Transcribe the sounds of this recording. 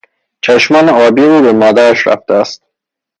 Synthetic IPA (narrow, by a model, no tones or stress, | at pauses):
t͡ʃʰæʃmɒːneɒːbiːuːbe̞mɒːd̪æɾæʃɾæ̰ft̪eæst̪̚